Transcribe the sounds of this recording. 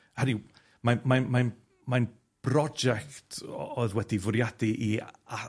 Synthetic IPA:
həni | mamanman | man | b̥rɔd͡ʒɛktʰɔðwɛdivʊɾjadiʔia

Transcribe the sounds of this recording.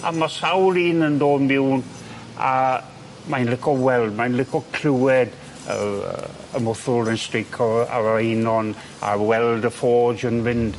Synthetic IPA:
a̰masawliːnəndoːnbɪwn | a | majnlɪkʰɔwɛldmajnlɪkʰɔkʰl̥uwɛd | ə̰ | əmʊθʊlənstɹejkʰɔa̰ɹajnɔn | a̰wɛldəfɔːd͡ʒənvɪnd̥

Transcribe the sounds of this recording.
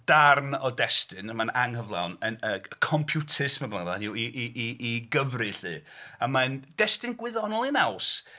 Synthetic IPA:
d̥arnɔdɛstɨnəmanaŋhəvlˠa̰wnənəkʰɔmpʰjutʰɪsmabaŋlanuiʔiʔiiɡəvrɨɬɨ̰ːamand̥ɛstɨnɡwɪðɔnɔlˠinaws

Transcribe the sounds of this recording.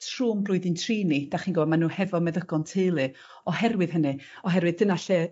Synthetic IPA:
tʰrumblˠʊɨðɨntʰriːnid̥aχiːnɡɔwɔdmanuːhɛvɔmɛðəɡ̥ɔntʰeɨlˠɨ | ɔhɛrwɨðɦənɨ | ɔɦɛɾwɨðdənaɬɛ

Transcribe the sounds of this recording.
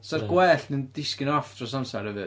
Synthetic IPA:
sarɡwɛːɬnɨnd̥ɪskɪnɔfd̥ʰrɔsamsaɾhəvɨ

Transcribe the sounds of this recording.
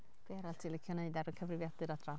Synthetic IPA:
b̥iaɾaltʰiːlˠɪkʰjɔneɨdaɾəkʰəvrɪvjadɨɾadra

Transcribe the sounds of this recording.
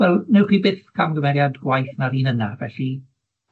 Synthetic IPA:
wɛlˠnɛwχwiːbɪθkʰamɡəvɛɾjadɡwajθnaɾiːnənavɛ̰ɬi

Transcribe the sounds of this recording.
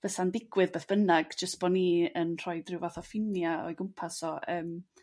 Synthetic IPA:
v̥əsandɪɡwɨðbeːθb̥ənaɡ̥d͡ʒəstb̥ɔniːənr̥ɔɨdrɪwvaθɔfɪnjaɔ̰jɡʊmpʰasɔʔəːm

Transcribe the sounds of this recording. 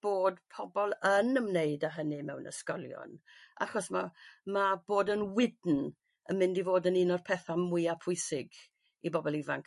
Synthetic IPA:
b̥oːd̥pʰɔbɔlˠənəmneɨdaɦənɨmɛwnə̰skɔlˠjɔ̰nʔa̰χɔsmamab̥oːdənwɪdn̩ | əmɪndivoːdəninɔr̥pʰɛθamwɪapʰʊɨsɪɡ | ibɔbɔlˠivaŋk

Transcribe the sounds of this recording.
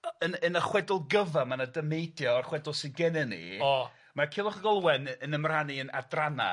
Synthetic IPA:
ənənəχwɛdʊlˠɡəvamanadəmejdjɔːrχwɛdʊlˠsiɡɛnɛnḭɔ | makʰɪlˠɔχəɡɔlˠwɛnənəmraniəna̰drana̰

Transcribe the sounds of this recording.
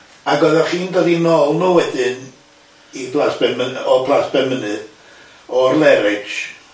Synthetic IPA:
aɡɔɨðɛrχiːndɔdinoːlˠnuwɛdɨn | ipʰlasb̥ɛmənɔpʰlˠasb̥ɛmənɨð | ɔrlˠɛɾɪ̥d͡ʒ

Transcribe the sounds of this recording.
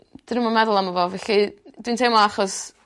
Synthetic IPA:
d̥ɪnəmɔmɛðʊlˠamɔvɔvɛɬid̥wintʰejmɔaχɔs

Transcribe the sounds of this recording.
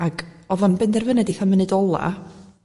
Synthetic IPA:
aɡ̥ɔvɔnbɛndɛrvənɛdiθamənɨdɔlˠa̰

